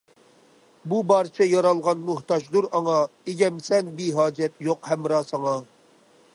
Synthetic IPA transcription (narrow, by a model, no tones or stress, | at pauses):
bubɑːɾt͡ʃʰɛjɑɾɑlˠʁɑnmuht̪ɑʒd̪uɾɑŋɑeɡʲɛmsɛnbiɦɑːd͡ʒɛt̪joqhɛmɾɑːsɑŋɑ